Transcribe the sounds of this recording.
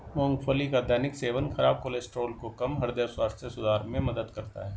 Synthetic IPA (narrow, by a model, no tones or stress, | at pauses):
mõːŋɡfʰoːlikad̪ɛːnɪkseːʋənxɐɾaːb̚koːlesʈɾoːlkokɐmɦɐɾd̪jaswaːssesʊd̪ʱaːɾmẽmɐd̪əd̪kɐɾt̪a̰ɦɛː